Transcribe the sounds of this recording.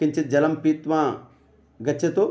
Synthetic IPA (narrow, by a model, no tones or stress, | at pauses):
iɲt͡ʃid͡ʒɐlɐmpiːt̪ʋaː | ɡɐt͡ʃʰːɐt̪u